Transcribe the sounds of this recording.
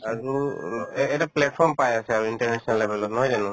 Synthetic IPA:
aɹu | ɛtaplɛʈ̚pʰɔɹmpajasɛaɹuinʈaɹnɛsɔnalːebɛlɔt̚nɔɦɔjzanu

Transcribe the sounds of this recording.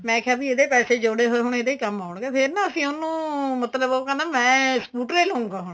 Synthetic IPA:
mɛ̃ːkʰjaːbiːeːd̪eːpɛːseːd͡ʒoːɽeːɦoːeːɦʊɳeːd̪eːiːkəmaːɳɡeːpʰɪɾnaːəsĩːʊnũːmət̪ləboːkanaːmɛ̃ːsəkuːʈɾeːlõːũŋɡaːɦʊɳ̃

